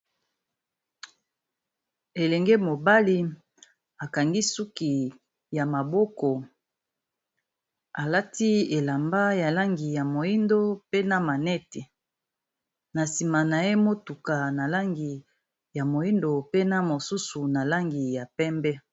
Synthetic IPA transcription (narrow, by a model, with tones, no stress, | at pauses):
e˨lɛ˨ŋɡe˦mo˨ba˦li˦ | a˨ka˨ŋɡi˦su˦ki˨ | ja˨ma˨bo˦kɔ˨ | a˨la˦ti˦e˨la˨mba˦ja˨la˦ŋɡi˨ja˨mo˨i˦ndo˦pe˦na˨ma˨nɛ˦ti˨ | na˨si˨ma˨na˨e˦mo˦tu˨ka˨na˨la˦ŋɡi˨ | ja˨mo˨i˦ndo˨pe˦na˦mo˨su˦su˨na˨la˦ŋɡi˨ja˨pɛ˦mbɛ˦